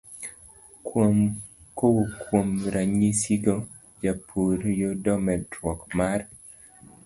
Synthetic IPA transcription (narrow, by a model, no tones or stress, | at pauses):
kom | kowokwomɾaɲisiɡɔ | d͡ʒapʰuɾjodɔmɛdɾwɔkmaɾ